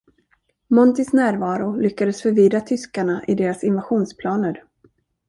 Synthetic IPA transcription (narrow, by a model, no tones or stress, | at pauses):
mɔnt̪ɪsnæːɾvɑːɾʊlʏkːad̪əsfœɾviːd̪ɾat̪ʰʏskaɳaʔɪd̪eːɾasɪnvaɧuːnspʰlɑːnəɾ